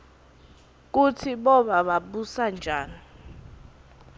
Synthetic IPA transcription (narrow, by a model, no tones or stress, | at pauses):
k̬utʰiɓɔɓaɓaɓusand͡ʒʱaːni